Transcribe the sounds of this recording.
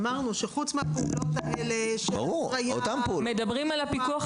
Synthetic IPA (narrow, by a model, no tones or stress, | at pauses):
maʁnuʃeχut͡smeapeulo̞t̪aʔeleʃea̰ʁuajaot̪ampeumed̪abʁimalapikuaχ